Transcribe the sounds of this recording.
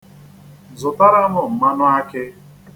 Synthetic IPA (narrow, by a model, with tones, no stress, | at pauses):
zʊ˨ta˦ɾa˦mʊ˨m̩˨ma˦nʊ˦a˦kɪ˦